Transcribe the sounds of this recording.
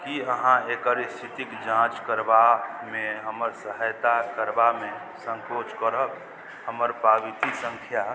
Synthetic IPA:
kiəɦãekəɾst̪ʰit̪ikd͡ʒãt͡ʃkəɾbamẽɦəməɾsəɦəjt̪akəɾbamẽ | sə̃ŋkot͡ʃkəɾək | həməɾpabit̪isə̃ŋkʰja

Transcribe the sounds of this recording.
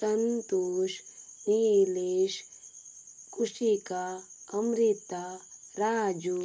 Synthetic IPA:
sɐnt̪uʃnileʃ | kuʂikaɐmɾit̪aɾaːd͡ʒu

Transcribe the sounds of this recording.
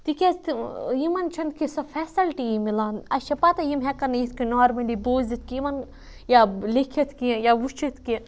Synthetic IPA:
t̪ikʲezt̪jimɐnt͡ʃʰɐnd̪kisɐfʰɛːsɐlʈijimilaːnɐt͡ʃʰɐpɐt̪ɐjimɦɛkɐnɐjit̪ʰkinɔːɾmɐliboːzit̪̚ʰkijimɐn | jalekʰɐt̪ʰkijaʋut͡ʃʰit̪ʰki

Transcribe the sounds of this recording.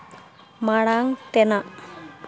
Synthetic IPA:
maɽaŋt̪enaʔ

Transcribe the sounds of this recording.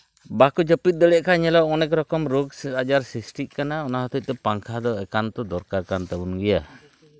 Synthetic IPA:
bakud͡ʒɔpit̪̚d̪ɔlɛʔkaɲɛlɔʔŋɔnɛk̬ɾɔkɔmɾuksad͡ʒarsisʈiʔkanaɔnaɦɔt̪ut̪ɛpaŋkʰad̪ɔɛkant̪ɔdɔɾkakant̪abunɡija

